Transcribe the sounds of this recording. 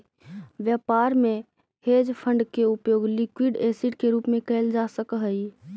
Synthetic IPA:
ʋjəpaɾme | hed͡ʒpʰə̃ɳɖkeupjoːɡlikwiɖesiʈkeɾuːpmẽkɛld͡ʒasəkɦəi

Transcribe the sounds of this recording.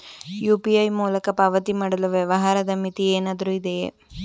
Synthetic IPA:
juːpiɐjmuːlɐkɐpɐʋɐt̪imaːɽɐlɐʋjɐʋɐɦaːɾɐd̪ɐmit̪ieːnaːd̪ɐɾuid̪ḛ

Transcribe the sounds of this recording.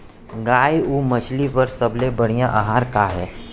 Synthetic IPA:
ɡaːiuːmɐt͡ʃlipɐɾsɐblebɐɽ̤ijãʔaɦaːɾkaɦɛː

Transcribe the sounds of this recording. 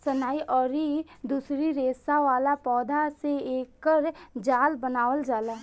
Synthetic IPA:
sɐnaːiʔɔːɾid̪uːsɾiɾeːsaʋaːlapɔːd̪ʱaseeːkːəɾd͡ʒaːlbənaːwəld͡ʒaːlaː

